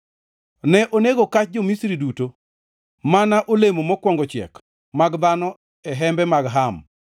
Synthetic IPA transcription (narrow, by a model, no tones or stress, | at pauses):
nɛʔoneɡokat͡ʃ̚d͡ʒɔmisɾiduto | manaʔolemomɔkwɔŋɡɔt͡ʃɪɛ̰k | maɡd̪anɔ | ɛɦɛmbɛmaɡɦam